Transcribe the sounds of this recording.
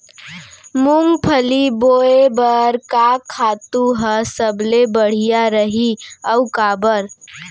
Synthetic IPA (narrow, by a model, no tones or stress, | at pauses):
mʊŋɡpʰəliboːebəɾkakʰaːt̪uɦəsəblebəɽ̤ijaɾəɦiəʊkaːbəɾ